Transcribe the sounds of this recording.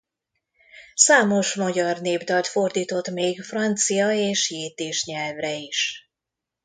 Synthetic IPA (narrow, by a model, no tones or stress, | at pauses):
saːmo̞ʃmɒɟɒrneːbd̪ɒlt̪fo̞rd̪iːt̪o̞t̪meːɡfrɒnt̪sijɒeːʃjeːt̪eːʃɲɛlvrɛiʃ